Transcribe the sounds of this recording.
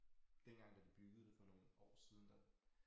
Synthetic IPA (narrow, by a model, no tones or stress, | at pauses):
d̥enɡ̥ɑ̈ŋ̰d̥ɑ̈d̥ib̥yɡ̥ð̩ˠd̥efɒ̽no̝ːn̩ɒ̰ːsiːð̞ˠn̩d̥æ